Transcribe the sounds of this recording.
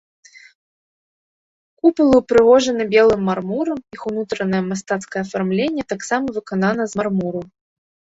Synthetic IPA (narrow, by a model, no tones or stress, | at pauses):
kupɐlˠupɾɨɣɔʐɐnɨbʲɛlˠɨmːarmuɾɐmixunut̪ɾɐnɐjɛmast̪at̪skɐjɛɐfarmlʲenʲːɛt̪aksamɐvɨkanan̪ɐzmarmuɾu